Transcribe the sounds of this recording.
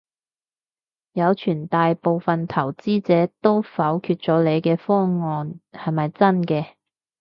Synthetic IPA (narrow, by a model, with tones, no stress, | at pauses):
jɐ˨˧wt͡ʃʰyː˨˩nt̪aː˨jpo˨˧wfɐ˨nt̪ʰɐ˨˩wt͡siː˥t͡sɛː˨˥t̪o˥wfɐ˨˥wkʰyː˧t̚t͡ʃɔː˨˥le˨˧jkɛː˧fɔː˥ŋɔː˧nhɐ˨jmɐ˨jt͡sɐ˥nkɛː˧